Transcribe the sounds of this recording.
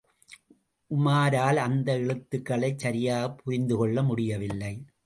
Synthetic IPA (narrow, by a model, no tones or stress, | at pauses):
ʔʊmaːɾaːlɐnd̪ɐɛɻɯt̪ːɯkːɐɭɐɪt͡ʃsɐɾɪjaːɣɐpːʊɾɪnd̪ɯkɔɭːɐmʊɽɪjɐʋɪlːɐɪ